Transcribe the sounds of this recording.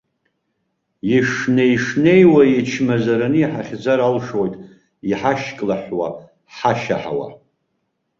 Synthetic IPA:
jiʂnejʂnejwajit͡ʃʰmazaɾanɨiħaχʲd͡zaɾalʂojtʼ | iħaʃkʼlaħwa̰ | ħaʃa̰ħa̰wa̰

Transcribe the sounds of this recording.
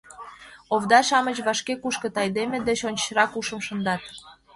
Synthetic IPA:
oβd̪ɑʃɑmət͡ɕβɑʃkekuʃkə̆t̪ɑjd̪emed̪eɕonʲt͡ɕɾɑkuʃə̆mʃə̆nd̪ɑt̪̚

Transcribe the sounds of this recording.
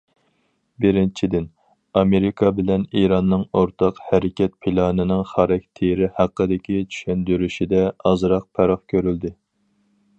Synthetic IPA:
bɪɾɪnt͡ʃʰid̪ɪn | ɑmeɾɪkʰɑbɪlɛniɾɑnːɨŋoɾt̪ʰɑqhæɾɪkʲɛt̪̚pʰilˠɑːnɨnɨŋχɑɾɛkʲt̪ʰeɾɪhæqːəd̪ɪkʲit͡ʃʰy̥ʃɛnd̪yɾyʃid̪ɛɑzɾɑq̚pʰɛɾɑχkʲʰøɾyld̪ɪ

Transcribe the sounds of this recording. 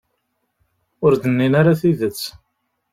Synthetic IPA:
ʊɾd̪ənːinaɾaθiðət͡sː

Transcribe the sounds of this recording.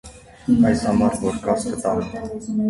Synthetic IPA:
ɑjshɑmɑɾvɔɾkɑskət̪ɑlɛ

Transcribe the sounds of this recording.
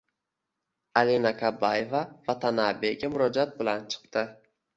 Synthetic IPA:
alenakʰabːajevavat̪ʰanabe̞ɡʲamʊɾɒd͡ʒat̪̚bɪlant͡ʃʰɨ̥qt̪ɪ

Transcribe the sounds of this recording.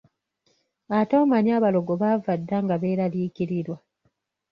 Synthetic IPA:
atoːmaɲaːβaloɡoβaːvadːaŋɡaβe̞ːɾaliːkiɾiɾwa

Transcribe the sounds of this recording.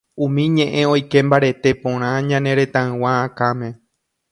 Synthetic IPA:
ũmĩɲẽ̞ʔẽ̞o̞jke̞mbaɾe̞t̪e̞põɾ̃ãɲãnẽ̞ɾe̞t̪ãɨ̃wãːkamẽ̞

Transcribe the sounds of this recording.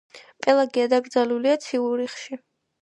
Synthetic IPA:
pʼɛlˠaɡɛad̪aɡɾd̪zaluliat̪sʰiuɾiχʃi

